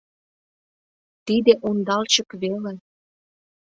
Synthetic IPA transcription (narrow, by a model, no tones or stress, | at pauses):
t̪id̪eʔond̪ɑlt͡ɕə̆kβele